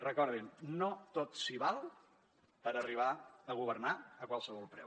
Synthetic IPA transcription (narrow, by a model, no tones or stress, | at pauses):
rəkɔɾðimnot̪ot̪siβalˠ | pəɾəriβ̞aəɣuβ̞əɾnaəkwalˠsəβɔlˠpɾɛ̰w